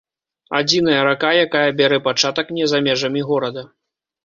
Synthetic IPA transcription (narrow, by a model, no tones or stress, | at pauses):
ad͡zʲin̪ɐjɐɾakajakajɐbʲaɾɛpat͡ʂat̪ɐknʲɛzamʲɛʐɐmʲiɣɔɾɐd̪ɐ